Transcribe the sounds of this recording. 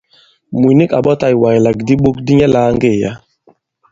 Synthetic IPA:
mu˨ni˦ka˨ɓɔ˦ta˨jwa˨jla˨kdi˦ɓo˦k̚di˦ɲɛ˦laː˨˦ŋɡe˦˨ja̰˦

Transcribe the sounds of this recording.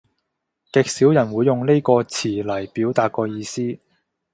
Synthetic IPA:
kɛ˨˧k̚siː˨˥wjɐ˨˩nwuː˨˧jːʊ˨ŋne˥jkɔː˧t͡sʰiː˨˩lɐ˨˩jpiː˨˥wt̪aː˨˧t̚kɔː˧jiː˧siː˥

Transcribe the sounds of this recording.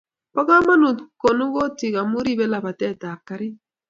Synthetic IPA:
pɔ˦ka˦ma˦nu˨ko˨nu˦ɣo˦ti˨ɣa˨mu˦ɾi˦bɛ˦la˨ba˨tɛ˦˨ta˨ka˦ɾi˦

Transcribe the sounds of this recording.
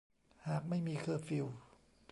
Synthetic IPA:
haː˨˩k̚ma˥˩jmiː˧kʰɤː˧fi˧w

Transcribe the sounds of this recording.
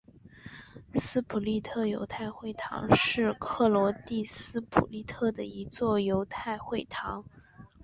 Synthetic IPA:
sɹ̩˥pʰu˨˩li˥˧t̪ʰɤ˥˩jo˧˥ʊt̪ʰa˥˧ɪxwe˥˩ɪt̪ʰɑ̰˧˥ŋʂɻ̩˥˧kʰɤ˥˩lwɔ˧˥t̪i˥˧sɹ̩˥pʰṵ˨˩li˥˩t̪ʰɤ˥˩d̪ə˩i˧˥t͡swɔ˥˩jo˧˥ʊt̪ʰa˥˧ɪxwe˥˩ɪt̪ʰɑ˧˥ŋ

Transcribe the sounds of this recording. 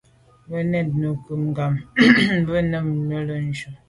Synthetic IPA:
bə˦nɛ˦˨t̚nə˨kə˨mŋ˨ɡa˨m˦bə˦nə˦mnə˦lə˦n̩˦d͡ʒo˨

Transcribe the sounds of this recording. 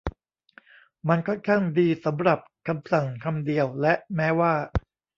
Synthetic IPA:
ma˧nkʰɔ˥˩nkʰaː˥˩ŋdiː˧sa˩˦mɾa˨˩p̚kʰa˧msa˨˩ŋkʰa˧mdi˧əwlɛ˦˥ʔmɛː˦˥waː˥˩

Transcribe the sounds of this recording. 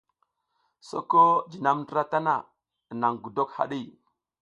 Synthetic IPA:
so̰˦ko˦d͡ʒi˨na˦mndɾa˦ta˦na˨ | na˨ŋɡu˨do˦kha̰˨ɗi˦˨

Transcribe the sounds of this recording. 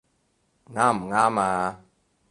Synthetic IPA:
ŋa˦˨mŋa˦ma˨

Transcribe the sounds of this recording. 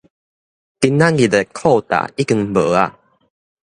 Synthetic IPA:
t̪i˧nːã˦nɡi˨t̪e˨kʰɔ˥˨t̪a̰˨i˦ki˧ŋbə˨˦a˧˨

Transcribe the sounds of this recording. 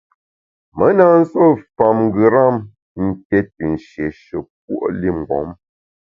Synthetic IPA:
mə˨˦na˦n̩˦so˦˨fa˨mŋ˦ɡɯ˨ɾa˦˨m | n̩˨tɛ˦t̚i˨n̩˨ʃje˨ʃə˨k̚wo̰˦ʔli˦˨mŋ̩˨ɡɔ̰˨˦m

